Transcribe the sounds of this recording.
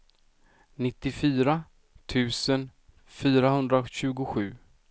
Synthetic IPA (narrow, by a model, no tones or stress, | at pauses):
nɪt̪ːɪfyːɾa | t̪ʰʉ̟ːsən | fyːɾaɦɵnd̪ɾaɕʉ̟ːɡʊɧʉ̟ː